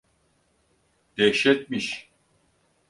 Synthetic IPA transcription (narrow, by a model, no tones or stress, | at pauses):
d̪̥ɛkʃɛt̪̚miʃ